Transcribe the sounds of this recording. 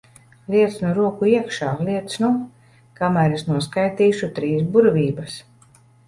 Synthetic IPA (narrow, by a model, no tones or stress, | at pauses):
lʲiɛt̪snuɾuɔkuiɛkʃaːliɛt̪snu | kamæːɾesnuɔskajt̪iːʃut̪ɾiːsbuɾvʲiːbɐs